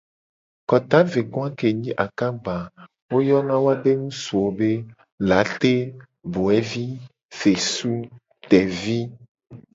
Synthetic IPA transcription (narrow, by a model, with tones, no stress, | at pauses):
kɔ˨t̪a˦ve˨ɡɔ̃˦ã˦ke˨ɲĩ˦ʔa˨ka˦ɡ͡ba˨ | wo˦jɔ˦nã˦wo˦a˦ɖe˦nũ˦su˨o˨be˦ | la˨˦t̪e˦ | bo˨ɛ˦vi˦ | fe˨su˦ | t̪ɛ˨vi˦